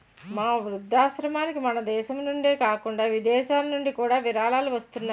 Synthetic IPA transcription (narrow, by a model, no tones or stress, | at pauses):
maːʋɾud̪ʱːaːʃɾɐmaːnikimɐnɐd̪ɛːʃɐmnuɳɖe̞ːkaːkuɳɖaːʋid̪ɛːʃaːlɐnuɳɖikuːɽaːʋiɾaːlaːluʋɐst̪unːaː